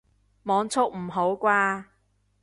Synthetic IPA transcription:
mɔː˨˧ŋt͡sʰʊ˥k̚m̩˨˩ɦo˨˥wkʷwaː˧

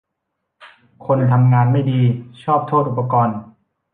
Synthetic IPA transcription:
kʰo˧nt̪ʰa˧mŋaː˧nma˥˩jdiː˧t͡ɕʰɔː˥˩p̚t̪ʰoː˥˩t̪̚ʔu˨˩pa˧kɔː˧n

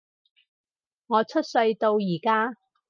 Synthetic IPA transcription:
ŋɔː˨˧t͡sʰɵ˥t̚sɵ˧ɥt̪o˧wjiː˨˩kaː˥

